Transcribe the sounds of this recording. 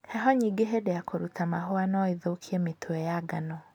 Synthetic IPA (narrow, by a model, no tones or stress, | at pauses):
hɛɦɔɲiːɡeɦedejakoɾutʰamaɦoanɔiðokʰiɛmetʰoɛjaɡanɔ